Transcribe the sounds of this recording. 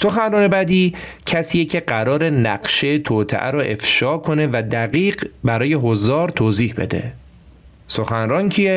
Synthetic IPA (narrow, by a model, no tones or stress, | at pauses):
so̞xænrɒːne̞bæd̪iː | cʰæsiːjecʰe̞ɢæɾɒːɾe̞næɢʃeet̪ʰoːt̪ʰḛʔæ̰ɾoʔe̞fʃɒːkʰo̞ne̞væd̪æɣiːɢbæɾɒːje̞ɦozɒːɾt̪ʰoːziːhbe̞̰d̪e̞̰ | so̞xænrɒːncʰije